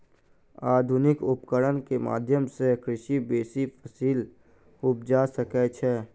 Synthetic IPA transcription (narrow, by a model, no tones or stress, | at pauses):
aːd̪ʱʊnɪkʊpkəɾənkema̰ːd̪ʱjəmsekɾɪʃibeːsipʰəsiːl | ʊp̚d͡ʒasəkɛt͡ʃʰɛː